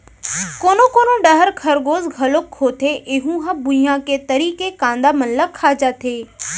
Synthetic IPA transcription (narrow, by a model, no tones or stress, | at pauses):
koːnokoːnoɖɐɦəɾkʰɐɾɡoːzɡʱɐlokʰːoːt̪ʰeʔɪɦũɦãbʊijãket̪ɐɾiːkekãːnd̪amɐnləkʰːaːd͡ʒat̪ʰeː